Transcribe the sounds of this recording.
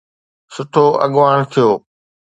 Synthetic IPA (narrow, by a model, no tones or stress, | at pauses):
sʊʈʰoːʔɐ̰ɠʊʋaːɽ̃t̪ʰijoː